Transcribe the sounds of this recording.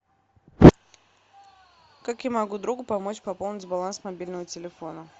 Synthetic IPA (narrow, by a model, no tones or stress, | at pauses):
kakjamɐɡud̪ɾuɡʊpɐmot͡ɕpɐpo̞lˠnʲɪtʲbɐlˠansmɐbʲilʲnəvətʲɪlʲɪfo̞nə